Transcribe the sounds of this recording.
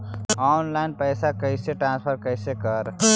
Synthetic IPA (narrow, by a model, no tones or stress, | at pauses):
ɔnlajnpəjsakəɪseʈɾãnspʰəɾkəɪsekəɾ